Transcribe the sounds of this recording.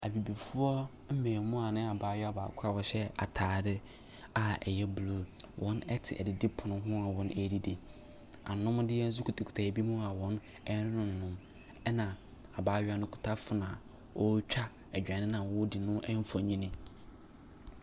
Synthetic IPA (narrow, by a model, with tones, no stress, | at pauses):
a̰˨bi˨bi˨fʊ˦ɔ˦ | m̩˦mẽː˨mʊ̃˦a˨nɪ̃˦a˨baː˦jɛ˦a˨ba̰ː˨kʰʊ˦a˨wɔ˨ɕɛ˦a̰˨tʰaː˨˦dɪ˦ | a˨ɛ̰˨jɛ˦blo˨wʔɔ̃˦nɛ˦tʰɪ̰˨ʔɛ̰˨dɪ˨dɪ˦pʰʊ˨nʊ̃˦ɦʊ̃˦a˨wɔ̃˨nʔɛ˨di˦de˨ | a̰˨nʊ̃˦m˦dɪ˦ɛ˦n̩˦s̬u˦kʰu˨tʰa˨kʰu̥˨tʰa˨bi˦mũ˦a˨wɔ̃˦n | ɛ˦nɪ̃˦nʊ̃˨ñ˨nʊ̃˦m | ɛ˦nã˨ | a˨baː˨˦ɥa˦nʊ̃˦kʰu̥˨tʰa˦fʊ˨˦nã˨ | wʔɔ˦t͡ɕᶣa˦ | ɛ˨d͡ʑᶣã˨nɪ̃˦nã˨wɔ˦dɪ˨nʊ̃˦ʔɛ˦m̩˦fɔ˨ɲĩ˦nɪ̃˦